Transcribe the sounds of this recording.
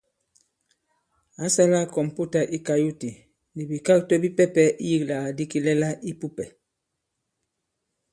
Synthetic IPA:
a˨˦sa˦la˦˨kɔ˨m˨pu˦ta˨ʔi˦ka˨ju˦ti˨ | ni˨bi˨ka˦k̚tɔ˦bi˦pɛ˦pɛ˦ʔi˦ji˦kla˨di˦ki˦lɛ˦la˦ʔi˦pu˦pɛ˨

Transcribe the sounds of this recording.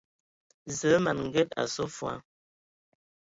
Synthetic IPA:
zə˨˦ma˨nŋ̩˨ɡɛ˦ta̰˨sɔ˦fwa̰˨˦

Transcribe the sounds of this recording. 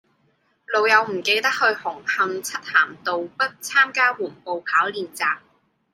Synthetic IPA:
lo˨˧wjɐ˨˧wm̩˨˩ke˧jt̪ɐ˥k̚hɵ˧ɥhʊ˨˩ŋhɐ˧ŋt͡sʰɐ˥t̚haː˨˩mt̪o˨wpɐ˥t̚t͡sʰaː˥mkaː˥wuː˨˩npo˨wpʰaː˨˥wliː˨nt͡saː˨˧k̚

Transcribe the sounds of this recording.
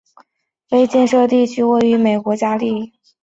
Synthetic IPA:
fe˥ɪt͡ɕjɛ˥˧nʂɤ˥˧t̪i˥˩t͡ɕʰy˥we˥˩ɪy˧˥me˨˩ɪkwɔ˧˥t͡ɕja˥li˥˩

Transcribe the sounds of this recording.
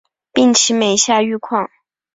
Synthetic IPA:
pi˥˩ŋt͡ɕʰi˧˥me˨˩ɪɕja˥˧y˥˧kʰwɑ˥˩ŋ

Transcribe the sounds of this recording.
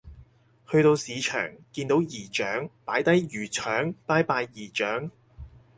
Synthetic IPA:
hɵ˧ɥt̪o˧wsiː˨˧t͡ʃʰœ̰ː˨˩ŋkiː˧nt̪o˨˧˥wjiː˨˩t͡ʃœː˨˥ŋpaː˨˥jt̪ɐ˨˥jjyː˨˩t͡ʃʰœː˨˥ŋpaː˥jpaː˧jːiː˨˩t͡ʃœː˨˥ŋ

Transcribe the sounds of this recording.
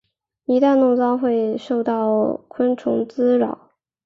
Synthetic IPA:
i˧˥t̪a˥˧nnʊ˥˧ŋt͡sɑ˥ʊxwe˥˧ɪʂo˥˧ʊt̪ɑ˥˩ʊkʰwə˥nʈ͡ʂʰʊ˧˥ŋt͡sɹ̩˥ɻɑ̰˨˩˦ʊ

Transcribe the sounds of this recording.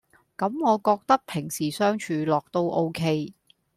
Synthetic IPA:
kɐ˨˧mŋɔː˨˧kɔː˧k̚t̪ɐ˥k̚pʰɪ˨˩ŋsiː˨˩sœː˥ŋt͡ʃʰyː˨˧lɔː˨k̚t̪o˧wʔo˥wkʰe˥j

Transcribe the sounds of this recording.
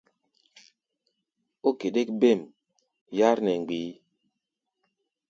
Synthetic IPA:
o˦ke˨de˦kbe˦˨m | ja˦ɾnɛ˨ŋ˨ɡ͡biː˨˦

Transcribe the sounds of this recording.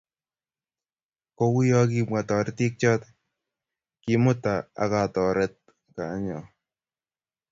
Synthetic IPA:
ko˦wʊ˦jɔ˦ki˧ma˨tɔ˨ɾeti˦k̚t͡ʃɔ˦t | ki˨mʊ˦ta˨a̰˨ka˨tɔ˨ɾɛ˦t̚ | ka˨˦ɲɔ˨

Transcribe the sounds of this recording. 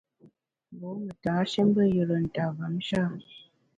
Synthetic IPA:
bo˨˦mə˨ta˨˦ʃe˦m˦bə˦˨jə˨ɾə˨n̩˨ta˨va˨˦m˦ʃa˦˨

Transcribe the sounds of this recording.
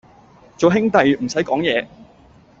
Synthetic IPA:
t͡so˨wɦɪ˥ŋt̪ɐ˨jm̩˨˩sɐ˨˥jkɔː˨˥ŋjɛː˨˧

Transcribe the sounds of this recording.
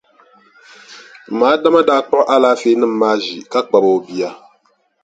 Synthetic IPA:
maː˨˦da˦ma˦daː˦k͡pɔ˦ʔʔa˦laː˦feː˦nɨ˦m̩˦maː˦ʒi˨ka˦k͡pa˨bo˨o˨bi˦a˦

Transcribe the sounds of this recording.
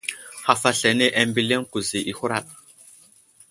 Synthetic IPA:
ha˨fa˨ɬe˨ne˦ʔa˦mbi˦le˦ŋku˨zi˨ʔi˨hu˦ɾa˦˨ɗ̚

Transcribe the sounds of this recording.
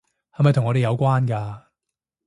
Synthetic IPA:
hɐ˨jmɐ˨jt̪ʰʊ˨˩ŋɔː˨˧ɾe˨jɐ˨˧wkʷaː˥nkaː˧

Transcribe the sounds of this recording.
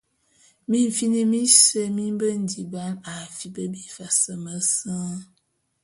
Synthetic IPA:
mi˦ɱ˨fi˦ni˦mi˦sə˦˨mi˦m˦bə˦n̩˨di˨ba˦na˨fi˨bə˦bi˦fa˨sə˨mə˦sə˦

